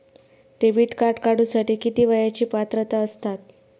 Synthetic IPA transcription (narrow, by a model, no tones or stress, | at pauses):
ʈebiʈkaɾʈkaɽũsaʈiːkit̪iːʋəjat͡ɕiːpat̪ɾət̪aəst̪at̪̚